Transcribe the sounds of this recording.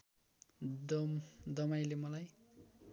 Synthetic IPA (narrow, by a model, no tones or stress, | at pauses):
d̪ʌmd̪ʌmajlemʌlaj